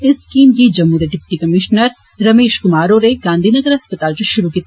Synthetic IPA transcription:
ɪskiːmkid͡ʒɐmɦuːɾeɖɪpʈikɐmɪʃnəɾ | ɾɐmeːʃkʊmaːɾoːɾeɡãːnd̪ʱiːnɐɡəɾɦɐspət̪aːlsʃʊɾukiːt̪

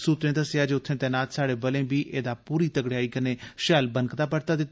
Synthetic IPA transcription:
suːt̪ɾẽːd̪əsjaːd͡ʒeːʊt̪ʰːẽːt̪ɛːnaːt̪saːɽeːbəlẽːbiːʔeːd̪aːpuːɾiːt̪əɡɽjaːiːkənẽːʃɛːlbənkd̪aːpəɽt̪aːd̪ɪt̪ː

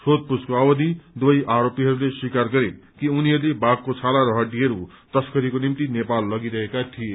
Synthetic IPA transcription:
sod̪̚puskoawʌd̪id̪wojʔaɾopiɦʌɾuleswikarɡʌɾekiuniɦʌɾulebakːot͡sʰalaɾʌɦʌʈiɦʌɾu | t̪ʌskʌɾikonimt̪inepalːʌɡiɾʌɦekat̪ʰije

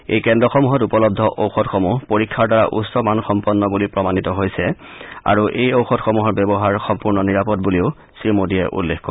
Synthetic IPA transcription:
ḛjkɛndɹɔxɔmuɦɔtupɔlɔb̚dʱɔʔowxɔtxomupoɹikʰːaɹdaɹa̰ʔṵsɔmanxɔmpɔnːɔbulipɹɔmanitɔɦojsɛa̰ɹuʔejowxɔtxomuɦɔɹbɛbɔɦaɹxɔmpuɹnɔniɹapɔt̚buliʊ | sɹimodiɛ̰ʔṵlːexko

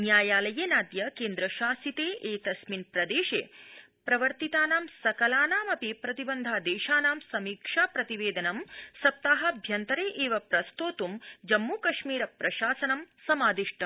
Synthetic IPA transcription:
njaːjaːlɐjeːnaːd̪jɐkeːnd̪ɾɐʃaːsit̪eːʔeːt̪ɐsminpɾɐd̪eːʃeː | pɾɐʋɐɾt̪it̪aːnaːmsɐkɐlaːnaːmɐpipɾɐt̪ibɐnd̪ʱaːd̪eːʃaːnaːmsɐmiːkʂaːpɾɐt̪iʋeːd̪ɐnɐmsɐp̚t̪aːɦɐ̆bʱjɐnt̪ɐɾeːʔeːʋɐpɾɐst̪oːt̪umd͡ʒɐmːuːkɐʂmiːɾɐpɾɐʃaːsɐnɐmsɐmaːd̪iʂʈɐm

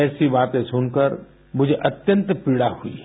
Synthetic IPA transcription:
ɛːsibaːt̪ẽsʊnkəɾ | mʊd͡ʒʱeʔɐt̪jə̃nt̪piɽahuḭ

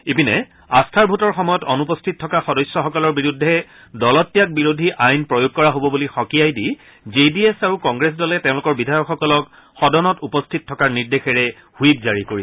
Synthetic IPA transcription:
epinɛ | astʰaɹbʱutɔɹxɔmɔjɔtɔnupɔstʰit̚tʰːɔkaxɔdɔjsːɔxɔkɔlɔɹbiɹudʱːɛ | dɔlɔtːijak̚biɹodʱiʔajnpɹɔjoɡ̚kɔɹaɦobɔbulixɔkijajdi | zediesaɹukɔŋɡɹes̬dɔlɛtẽʊ̃lʊkɔɹbidʱajɔkxɔkɔlɔk | xɔdɔnɔtupɔstʰit̚tʰɔkaɹniɹdexɛɹɛ | huit̚zaɹikoɹi

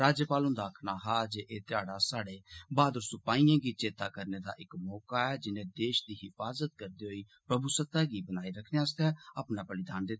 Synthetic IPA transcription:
ɾaːd͡ʒjəpaːlʊ̃nd̪aːkʰnaːɦaːd͡ʒeːʔeːt̪ɪjaːɽaːsaːɽeːbaːd̪əɾsʊpaːĩːãːɡiːt͡ʃeːt̪aːkəɾneːd̪a̰ːʔɪkmɔːkaːɛːd͡ʒɪnẽːd̪eːʃd̪iːɦɪfaːzət̪kəɾd̪iːɦoiː | pɾəbuːsət̪ːaːɡiːbənaːiɾəkʰneaːst̪ɛːapnãːpəlɪd̪aːnd̪eː

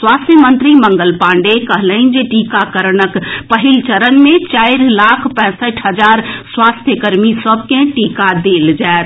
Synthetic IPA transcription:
sʋaːst̪ʰjəmənt̪ɾiməŋɡəlpãːɳɖekəɦləɪnd͡ʒeʈikakəɾnəkpəɦilt͡ʃəɾənmẽt͡ʃaɪɾlakʰpɛ̃ːsəʈʰɦəd͡ʒaɾsʋast̪ʰjəkəɾmisəbkẽʈikad̪eld͡ʒaet̪

